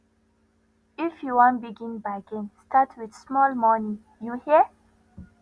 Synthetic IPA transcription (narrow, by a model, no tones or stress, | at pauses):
ifjuwɔ̃nbiɡĩnbaɪkẽnstʰatʰwid̪smɔlmɔnĩ | juhiə